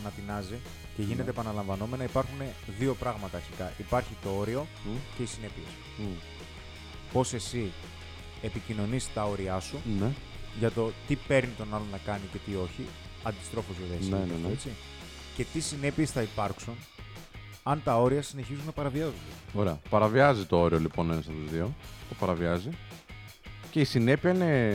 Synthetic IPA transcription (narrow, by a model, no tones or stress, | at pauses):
ɐnɐp̪inɐzi | ce̞ʝine̞t̪eːpɐnɐlɐɱvɐno̞me̞nɐipɐɾxune̞ðio̞pɾɐɣmɐt̪ɐːɾçikɐʔipɐɾçit̪o̞o̞ɾio̞ | ce̞isine̞pie̞s | po̞se̞si | e̞picino̞nisi̥t̪ɐo̞ɾiɐsune | ʝɐt̪o̞t̪ipe̞ɾnit̪o̞nɐlo̞nɐkɐnice̞t̪io̞çi | ɐnd̪ist̪ɾo̞fozeðessneenet͡si | ce̞t̪isine̞pie̞sθɐipɐɾksun | ɐnt̪ɐo̞ɾiɐsine̞çizunɐpɐɾɐviɐzond̪eoɾeɐpɐɾɐviɐzit̪o̞o̞ɾiolipo̞nenɐsɐt̪uzðiot̪opɐɾɐviɐzi | ce̞isine̞piɐine